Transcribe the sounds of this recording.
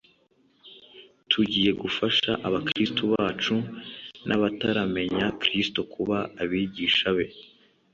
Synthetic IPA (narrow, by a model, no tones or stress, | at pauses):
tʰuɟiːje̞ɡufaʃaʔaβakɾistoβaːt͡ʃunʔaβataɾame̞ɲakɾistokʰuβaːβiːɟiːʃaβe̞